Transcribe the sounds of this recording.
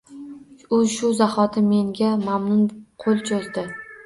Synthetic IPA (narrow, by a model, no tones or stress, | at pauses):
ʊzʃʊzahɒt̪ʰɪmːe̞ŋɡʲamamnʊnqʰolˠt͡ʃʰɒzd̪ɪ